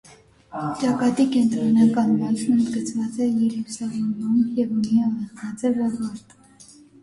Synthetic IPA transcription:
t͡ʃɑkɑt̪ikɛnt̪ɾɔnɑkɑnmɔsʰnənd̪ɡət͡sʰvɑt͡sɛjɛɾusɑvɔnumjɛvɔniɑvəɑt͡sɛrɑvɑɾt̪

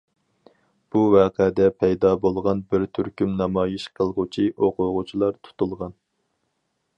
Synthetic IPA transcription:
b̥uwɑːqʰɛd̪ɛpʰɛjd̪ɑbolˠʁɑnbɪɾt̪ʰyɾkʲymnɑmɑːjiʃqʰəlˠʁʊt͡ʃʰiʔoqʰʊʁʊt͡ʃʰilˠɑɾt̪ʰu̥t̪ulˠʁɑn

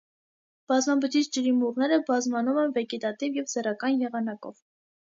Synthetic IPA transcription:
b̥ɑzmɑbət͡ʃit͡ʃʰd͡ʒəɾimuʁnɛɾəbɑzmɑnumɛnvɛɡɛt̪ɑt̪ivjɛvzɛrɑkɑnjɛʁɑnɑkɔ̰v

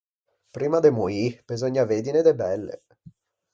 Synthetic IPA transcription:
pɾiːmad̪emuib̥ezoɲːaved̪ined̪ebɛlːḛ

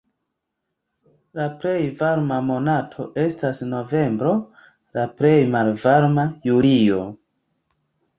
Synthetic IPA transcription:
laple̞jvaɾmamo̞natʰo̞ʔe̞stasno̞ve̞mbɾo̞ | laple̞jmalvaɾmajulio̞̰

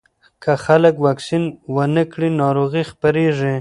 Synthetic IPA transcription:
kʰaxaləkwaksinwənəkɽinɑɾoɣixpaɾeʐi

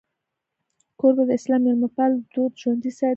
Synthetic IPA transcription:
koɾbad̪əɪslɑmalmapald̪od̪ʒwand̪isa

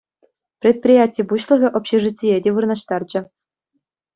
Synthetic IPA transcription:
prʲet̪̚pʲrʲijatʲijbuɕlˠɤ̆ɣʲɤ̆ʔopʲɕeʐɨtʲːijedʲeʋɯrnɑɕt̪ɑrd͡ʑɘ̆

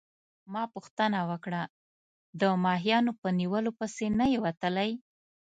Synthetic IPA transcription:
mɑpuxt̪ənawəkɽa | d̪əmɑɦijɑnopəniwəlopəsenajewat̪əlaj

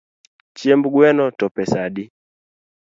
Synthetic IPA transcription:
t͡ʃiɛmbuɡwɛnɔtɔpɛsaɗi

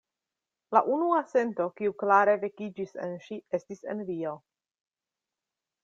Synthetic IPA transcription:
la̰ʔunuase̞nto̞kiuklaɾe̞ve̞kid͡ʒisḛnʃie̞stise̞̰nvio

